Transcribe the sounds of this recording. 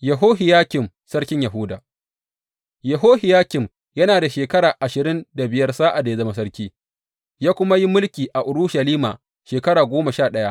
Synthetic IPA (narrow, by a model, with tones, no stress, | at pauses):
jɐ˨ɦoː˦ɦɪ˨jaː˦kʲɪ˨m | sɐ˦rkʲɪ˦ɲjɐ˨ɦʊ˦daː˨ | jɐ˨ɦoː˦hɪ˨jaː˦kʲɪ˨m | jɐ˦naː˨da˨ʃeː˨kɐ˦ɽaː˨ʔa˨ʃɪ˨ɾɪ˦nda˨bɪ˨jɐ˦rsaː˦ʔa˨da˨ja˦zɐ˦ma˦s̬ɐ˦rkʲiː˦ | jaː˦kʷʊ˦ma˦ji˦mʊ˦lkʲiː˨ʔa˨ʔʊ˨ɾʊ˦ʃɐ˨liː˦ma̰ː˨ | ʃeː˨kɐ˦ɽaː˨ɡʷoː˦ma˨ʃaː˦˨ɗɐ˦ja˦ʔ